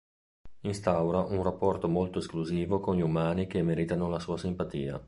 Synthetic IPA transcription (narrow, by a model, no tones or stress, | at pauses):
inst̪awɾaʔunrapːɔrt̪omolt̪oeskluziːvokonʎiumaːnikemɛɾit̪anolasuːasimpat̪iːa̰